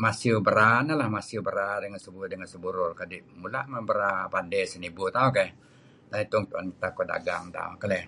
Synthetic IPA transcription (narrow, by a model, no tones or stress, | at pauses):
masiubəɾanalahmasiubəɾadəŋansəbudəŋansəbuɾʊrkadimulaʔməbəɾapandɛsənibut̪auka | t̪ait̪ʊŋt̪uant̪akoda̰ɡa̰ŋt̪a̰ṵkalɛ